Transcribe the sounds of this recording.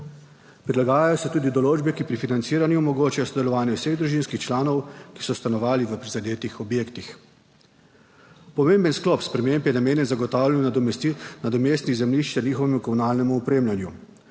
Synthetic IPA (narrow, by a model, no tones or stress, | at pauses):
pɾilaɡaːjajɔsɛt̪uːd̪id̪ɔloːd͡ʒbɛkipɾifinant̪siːɾanjumɔɡoːt͡ʃajɔsɔd̪ɛlɔʋaːnjɛwseɣd̪ɾuʒinskixt͡ʃlaːnɔwki̥sɔst̪anɔʋaːliʋəpɾizad̪eːt̪ixɔbjeːkt̪ix | pɔmembənsklɔːpspɾɛmempjɛnameːnjɛnzaɡɔt̪aːwlʲjan | nad̪ɔmeːst̪nizɛmliʃt͡ʃaniːxɔʋɛmukɔmunaːlnɛmuɔpɾeːmljanju